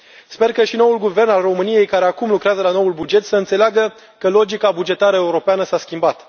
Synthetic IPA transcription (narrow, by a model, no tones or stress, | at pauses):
spe̞rkəʃino̞wulɡuve̞rnalro̞mɨnije̞jkaɾe̞akumlukɾeazəlano̞ulbud͡ʒe̞t̪səɨnt̪seleaɡə | kəlo̞d͡ʒikabud͡ʒe̞t̪aɾəe̞uɾo̞peanəsaskʲimbat̪